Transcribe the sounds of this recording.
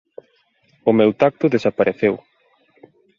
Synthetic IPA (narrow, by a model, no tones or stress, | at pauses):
ʊmewt̪ak̚t̪ʊðesapaɾʔeθew